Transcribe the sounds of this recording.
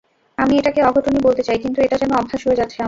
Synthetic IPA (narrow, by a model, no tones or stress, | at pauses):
amieʈakeɔɡʱoʈonibolt̪et͡ɕajkint̪ueʈad͡ʑɛnoɔbʱːaʃɦoed͡ʑat̪ːʰea